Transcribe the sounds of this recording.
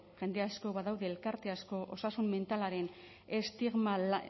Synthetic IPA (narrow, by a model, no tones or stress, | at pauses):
ʝe̞nd̪easko̞βaðawðe̞ːlkaɾt̪e̞asko̞ʔo̞sasumme̞nt̪alaɾe̞n | est̪iɣma